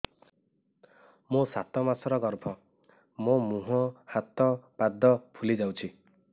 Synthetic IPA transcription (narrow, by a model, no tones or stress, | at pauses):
mõsat̪ɔmasɔɾɔɡɔɾpʰɔ | mõmuɦɔ̃hat̪ɔpad̪ʱːɔpʰulid͡ʒawt͡ʃʰi